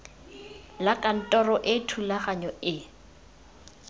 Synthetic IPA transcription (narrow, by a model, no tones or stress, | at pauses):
lakʼan̩tʼɔrɔʔɪtʰulaχaɲɔʔɪ